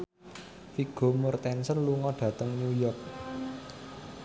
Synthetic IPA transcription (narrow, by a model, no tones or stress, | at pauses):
fiɡ̥o̤murt̪ɛnsənluŋɔɖ̥ä̤t̪əŋnujɔrk̚